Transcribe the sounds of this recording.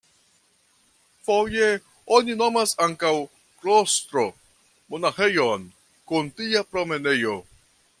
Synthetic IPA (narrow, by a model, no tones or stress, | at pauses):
foje | onino̞masaŋkaw | kɾost̪ɾo̞ | monaxe̞jon | kuntiapɾo̞me̞ne̞jo